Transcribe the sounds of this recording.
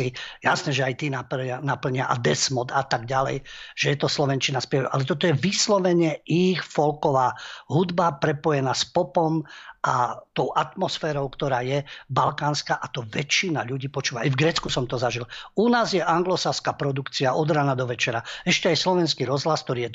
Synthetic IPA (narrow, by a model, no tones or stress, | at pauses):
ijasnɛːʒɛajt̪iːnaanapl̩ɲɪaʔa̰d̪ɛsmɔt̪at̪aɡɟalɛ̰jʒ̥ɛjɛt̪ɔslɔʋɛnt͡ʃinaspɪɛʋɛʔa̰lɛt̪ɔt̪ɔjɛʋislɔʋɛɲɛixfɔlkɔʋaːɦud̪bapɾɛpɔjɛnaːspɔpɔmʔat̪ɔʊʔat̪mɔsfɛːɾɔʊkt̪ɔɾaːjɛbalkaːnskaːʔat̪ɔʋɛt͡ʃːinaʎuɟiːpɔt͡ʃuːʋaajvɡɾɛːt͡skusɔmt̪ɔzaʒilunaːzjɛʔaŋɡlɔsaskapɾɔd̪ukt͡siaʔɔd̪ɾanad̪ɔʋɛt͡ʃɛɾaɛʃcɛajslɔʋɛnskiːɾɔzɦlask̚t̪ɔɾiːjɛ